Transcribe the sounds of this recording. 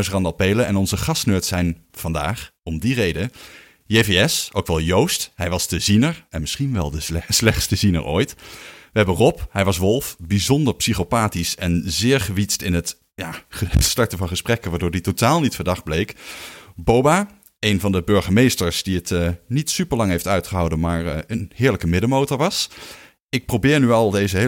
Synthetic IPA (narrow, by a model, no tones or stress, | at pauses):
srɑndɑlˠpejləɛnɔnzəχɑstnøːtsɛjn | v̥ɑnda̰ːχɔmdirejdə | jeveɛsowkʋɛlˠjowstɦɛjʋɑsdəzinəɹɛnmɪsχinʋɛ̰lˠdəɛslɛχtstəzinə̰ɹʔo̰ːjtʋəɦɛbənrɔpɦɛjʋɑsʋɔlˠfbizɔndəɹpsiχopaːtisɛnzɪːɹχəʋitstɪnɦət | jaːəstɑɹtəvɑnχəsprɛkənʋaːɹdʊːɹditotaːlˠnitfəɹdɑχd̚blejkbowba | ejnvɑndəbɵɹχəmejstəɹsdiətnitsypəɹlɑŋɦejftœɥtχəɦɑwdənmaːɹənhɪːɹləkəmɪdəmowtɔɹʋɑs | ɪk̚prowbɪːɹnyɑlˠdejzəɦ